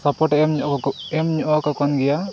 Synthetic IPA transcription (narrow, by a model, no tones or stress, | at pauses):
sapɔʈɛɛmɲɛmɲɔʔɔkakɔnɡɛja